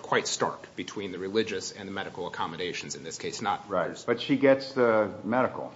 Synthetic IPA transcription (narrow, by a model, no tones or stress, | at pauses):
kʰw̥aɪtstɑ̰ɹkb̥ɨtʰw̥ĩnðɨɹɨlɪd͡ʒɨsɨ̃nðɨmɛɾɨkl̩ˠəkʰɑmɨɾeɪʃn̩zɨ̃nðɪskʰeɪsnə̰t̚ɹaɪb̥ʌtʃiɡɛtsðɨmɛɾɨkl̩ˠ